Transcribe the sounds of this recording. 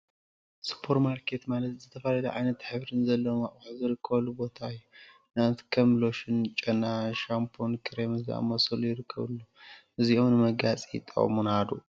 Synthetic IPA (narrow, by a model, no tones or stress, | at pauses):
sɨ̥pʰoɾmaɾkʰe̞t̪malɐt̪zɨt̪ʰɐfalɐlɐʕajnɐt̪ħɨβɾɨnzɐlːɐwmaʔʼwaħzɨɾɨkʰːɐβɐlːubo̞t̪ʰajːu | nat̪kʰɐmlo̞ʃɨnt͡ʃʼɐnaʃampʰonkʰɨɾemɨzia̰mɐsɐlujɪɾɨkʰːɐ̰βɨ̰lːuʔɨziʔomnɨmɐɡat͡sʼḭt̪ʼɐ̰ʔʼmunhad̪ṵ